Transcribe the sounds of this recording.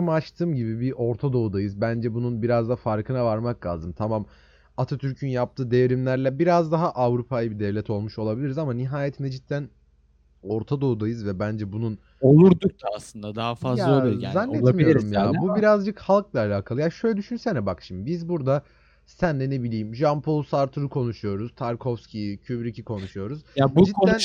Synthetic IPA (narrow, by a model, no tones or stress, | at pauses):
amat͡ʃt̪ʰɯːmɟibibiʔo̞ɾt̪ʰad̪o̞ud̪ajɯzbænd͡ʒɛbununbiɾazd̪afaɾkʰɯnavaɾmaklˠa̰ːzɯmt̪ʰamam | at̪ʰat̪ʰyɾcʰynjap̚t̪ʰɯːd̪evɾimlʲæɾlʲɛbiɾazd̪aɦaʔavɾupʰajɯbid̪ɛvlʲɛt̪ʰo̞lˠmuʃo̞lˠabilʲiɾizamaniɦaːjet̪ʰined͡ʒit̪ʰːæn | o̞ɾt̪ʰad̪o̞ud̪ajɯzvɛbænd͡ʒɛbunun | o̞lˠuɾd̪uk̚d̪ʰaaslˠɯnd̪ad̪aɦafazjlaaolˠujzanːɛlˠamiijoiɾumjaːbubiɾazd͡ʒɯkhalˠklˠaːlʲaːkʰalˠɯjaʃøjlʲɛd̪yʃynsɛnɛbakʃimibizbuɾd̪a | sænlɛne̞bilʲiːmʒampʰolˠsaɾt̪ʰɯɾukʰo̞nuʃujo̞ɾuz̥t̪ʰaɾkʰofscʲʰijicʰybɾicʰikʰo̞nuʃujo̞ɾuz̥jabud͡ʒikʰoæ